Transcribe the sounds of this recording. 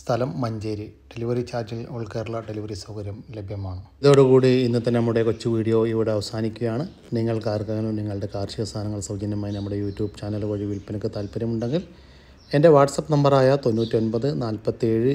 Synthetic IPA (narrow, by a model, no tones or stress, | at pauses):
st̪ʰɐlɐmːɐɲd͡ʑeːɾiɖ̥e̞liʋɐrit͡ɕaːrd͡ʑiluɭkeːɾuɭːɐɖe̞liʋɐrisɐwkɐɾjɐmlebʱjɐmaːɳɨ | ðo̞ːɽukuːɽiːnːɐt̪ːɐnenɐmːuɽe̞kot͡ɕːɨʋiːɽijo̞ːiʋiɽe̞ɐʋɐsaːnikʲːuɣɐjaːɳɨ | niŋːɐɭkaːrkɐɣɐluniŋːɐɭɨɽe̞kaːrʂijɐʋɐst̪ʰaːnɐŋːɐɭsɐwd͡ʑɐnːjɐmaːjinɐmːuɽe̞juːtːjuːbt͡ɕaːnɐlkɐɻiʋilpɐnɐkːɨt̪aːlpɐɾjɐmuɳɖe̞ŋɡil | e̞nde̞ʋaːʈsɐpːnɐmbɐraːjɐt̪o̞nːuːtːio̞nbɐðɨnaːlpɐt̪ːie̞ːɻɨ